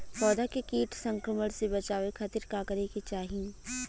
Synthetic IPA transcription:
fɔːd̪akekiːʈʰsɐ̃ŋkɾəməɽ̃sebɐt͡ʃaːʋekʰət̪iɾkaːkəɾeket͡ʃaːɦĩ

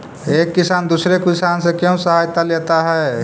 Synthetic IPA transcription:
ekːisand̪usɾekisansẽkjɛũsəɦajt̪alet̪aɦɛ

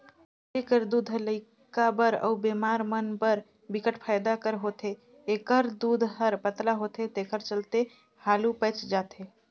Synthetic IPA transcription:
ekəɾd̪ud̪ʱɦələɪ | kabəɾə̰bemaɾmənpəɾ | bikəʈpʰajd̪akəɾɦot̪ʰe | ekəɾd̪ud̪ʱɦəɾpət̪laɦot̪ʰet̪ekəɾt͡ʃəlt̪e | halupət͡ʃd͡ʒat̪ʰe

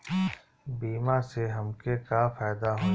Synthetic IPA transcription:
biːmãseɦɐmkekafaːd̪aɦõː

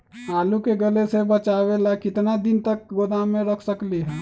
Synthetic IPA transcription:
aːlukeɡəlesebət͡ʃaːwelakɪt̪nad̪ɪnt̪ək̚ɡod̪amẽɾəkʰsəkliɦɛ̃ː

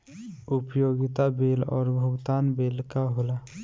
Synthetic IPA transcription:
ʊpjoːɡɪt̪abeːlɔ̰ːɾbʱəɡt̪aːnbeːlkaɦola

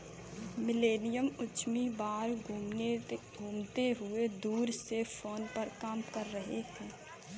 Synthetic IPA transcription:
mɪleːnɪjəmʊt͡ʃmibaːɾ | ɡʱuːmt̪eɦʊed̪uːɾsefʰoːnpəɾkaːmkəɾːəɦeɦɛ̃ː

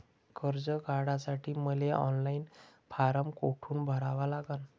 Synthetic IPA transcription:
kəɾd͡zəɡʱaɽasaʈʰiːməleɔ̰nlainpʰaɾəmkoʈʰuːnbʱəɾaʋalaɡan

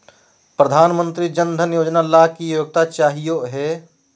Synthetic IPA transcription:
pɾəd̪ʱaːnmə̃nt̪ɾid͡ʒənd̪ʱənjoːd͡ʒnalakijoːɡ̚t̪at͡ʃaːɦijoɦɛː

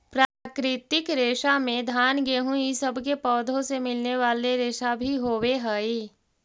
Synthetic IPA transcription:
pɾaːkɾɪt̪ɪkɾeːʃamẽd̪ʱaːnɡeːɦũisəbʱkepɔːd̪ʱõsemɪlneʋaːleɾeːʃabʱiɦoːweɦəi

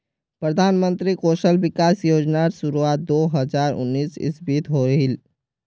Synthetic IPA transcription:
pɾəd̪ʱaːnmə̃nt̪ɾikoːʃəlbɪkaːsjoːd͡ʒnaɾʃʊɾuaːt̪̚d̪oːɦəzaːɾʊ̰nːiːsɪ̰sbit̪ɦoːɦil

